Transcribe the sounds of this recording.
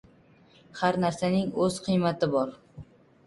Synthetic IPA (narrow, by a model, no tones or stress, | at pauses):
haɾnaɾsanɪŋɵz̥qʰɨjmat̪ʰɪbɒɾ